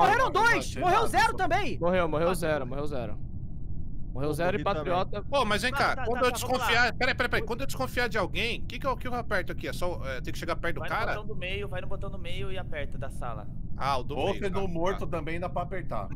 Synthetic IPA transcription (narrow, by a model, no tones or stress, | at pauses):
moɦeɾɐ̃w̃d̪ojjsmoɦewzɛɾʊt̪ɐ̃bẽj̃moɦewmoɦewzɛɾʊmoɦewzɛɾʊ̰ | moɦewzɛɾʊɪpat̪ɾiɔt̪ɐpomɐzvẽj̃kaɾɐwɐ̃d̪ʊewd͡ʒiskõfiapɛɾẽjpɛɾẽpɛẽj̃kwɐ̃d̪ʊewd͡ʒɪskõfiaɾd͡ʒɪawɡẽj̃kekɪɛwkɪevapɛɾt̪ʊakiɛsɔɛt̪ẽj̃kɪʃeɡaɾpɛɾt̪d̪vaʊjkaɾɐɐ̃w̃d̪ʊmejʊvajnʊ̃bot̪ɐ̃w̃d̪ʊmejʊɪapɛɾt̪ʊd̪ɐsa̰lɐ̰aʊd̪ʊoejsed̪õmoɾt̪ʊt̪ɐ̃mbẽj̃d̪apɾapeɾt̪a̰